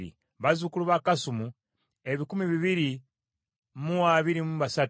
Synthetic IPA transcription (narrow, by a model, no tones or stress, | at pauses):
ɾḭ | βazukuluβakasumu | eβikumiβiβiɾi | muaβiɾimuβasat